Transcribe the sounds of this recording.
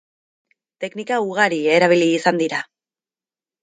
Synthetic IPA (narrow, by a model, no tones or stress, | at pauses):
t̪e̞knikauɣ̞aɾie̞ɾaβ̞iliːsand̪iɾa